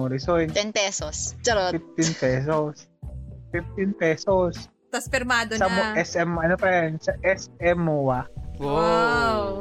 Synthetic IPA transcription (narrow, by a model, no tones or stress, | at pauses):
oɾɪsojnɛnpɛsosfɪf̚t̪ɪnpɛːs̬os | fif̚t̪ɪnpɛːsos | t̪ɐsfɪɾmaːd̪osɐmoʔɛsɛmɐnopɐɛnsɐʔɛsɛmːowao